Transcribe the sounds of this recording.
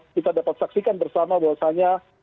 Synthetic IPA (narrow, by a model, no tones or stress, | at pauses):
kit̪adapat̪̚saksikanbərsamabawasaɲa